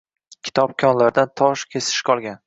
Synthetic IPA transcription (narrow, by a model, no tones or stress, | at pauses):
kʲʰɪ̥t̪ʰɒp̚kʲʰɒnlaɾd̪ant̪ʰɒʃkʲʰe̞sɪ̥ʃkʰɒlˠɡʲan